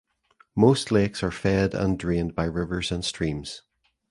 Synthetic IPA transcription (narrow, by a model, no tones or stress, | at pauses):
mostˡlˠeksə˞fɛdə̰̃ndɹẽnbaɪɹɪvə˞zə̃nstɹ̥ĩmz̥